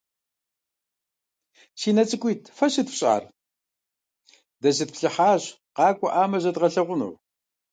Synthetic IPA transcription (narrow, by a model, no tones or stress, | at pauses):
siːnɐt͡sʼɨkʷʼiːtʰfɐɕɪdfɕʼa̰ːr | dɐʑɨt̚pʰɬɨħaːɕ | qɑːkʷʼɔ̰ʔaːmɐʑɐdʁɐɬɐʁʷʊnṵw